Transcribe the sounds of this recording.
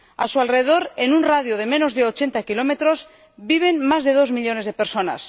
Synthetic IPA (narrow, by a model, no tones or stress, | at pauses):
a̰sualreðeðo̞ɾenunraðjoðe̞mẽ̞no̞zðe̞o̞t͡ʃe̞nt̪akilo̞me̞t̪ɾo̞z | biβ̞e̞nmazðe̞ð̞ozmiʎo̞ne̞zð̞e̞peɾso̞na̰s